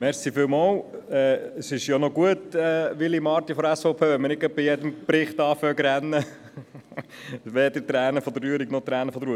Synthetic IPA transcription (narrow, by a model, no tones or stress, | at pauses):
mɛɾsifɪːlmɑːlɛːəsɪʃjonɔɡuətɛːʋɪlimɑːɾt̪ifɔdæsfoʊpʰeːʋɛməɾnɪk̚kœp̚pɪjɛd̪əmpɾɪχt̪ɑːfœɡɾɛnːə | ʋed̪əɾt̪ɾæːnəfɔd̪əryəɾiɡnɔt̪ɾæːnəfɔd̪əɾuə